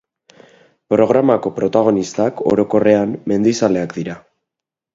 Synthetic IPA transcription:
pɾo̞ɣ̞ɾamako̞pɾo̞t̪aɣ̞o̞nist̪ako̞̰ɾo̞ko̞re̞amːe̞nd̪isale̞akd̪iɾa

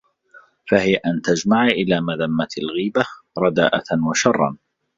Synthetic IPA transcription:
fahɪjaʔant̪ad͡ʒmaʕʔɪlaːmaðamːat̪alɣiːbaɾˤɑd̪a̰ːʔa̰nwaʃɑrˤːɑ̰n

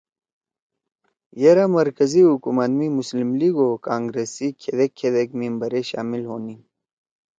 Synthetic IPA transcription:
jeɾamɐɾkɐziɦukumɐt̪mimuslimliːɡokaːŋɡɾeːsikʰed̪ekʰːed̪ekmimbɐɾeɕa̰ːmilɦoːni

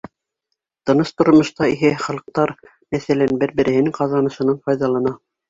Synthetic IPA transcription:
t̪ɤ̆nɤst̪ŏɾmŏʃt̪ɑiɦɘχɑlˠɤ̆q̚t̪ɑɾ | mæθælænbɘɾbɘ̆ɾɘ̆hɘ̆nɘŋqɑzɑnɤ̆ʃɤ̆nɑɴfɑjðɑlˠɑnɑ

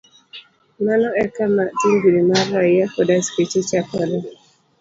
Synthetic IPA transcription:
manɔɛkamatiŋɡiɾimaɾajakɔdasket͡ʃet͡ʃakɔna

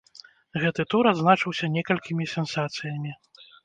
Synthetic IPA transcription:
ɣɛt̪ɨt̪uɾad̪znat͡ʂɨwsʲɐnʲɛkɐlʲkʲimʲisʲɛnsat̪sɨjɐmʲi

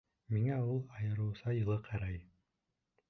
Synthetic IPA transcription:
miŋæulˠɑjɤ̆ɾɤ̆wsɑjɤ̆lˠɤqʰɑɾɑj

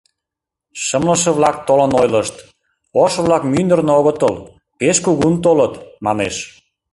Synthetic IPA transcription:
ʃəmləʃə̆βlɑk̚t̪olənojləʃt̪ | oʃβlɑkmynd̪ərnoɣət̪əl | peʃkuɣunt̪olət̪mɑneʃ

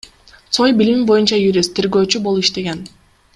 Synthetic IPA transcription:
sʰojbilʲmibo̞junt͡ʃɑjuɾʲist̪ʰːe̞ɾɡø̞ːt͡ʃybo̞lˠuiʃt̪e̞ɡen

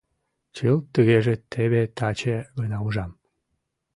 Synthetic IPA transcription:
t͡ɕɯlt̪əɣeʒet̪ʰeβet̪ɑt͡ɕeɣənɑuʒɑm

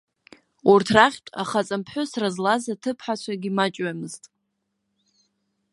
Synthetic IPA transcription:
urtʰraχʲtʼa̰χat͡sʼampʰħʊsrazlazatʰɨpʰħat͡ɕʷʰaɡʲimat͡ʃʼɥamɨztʼ

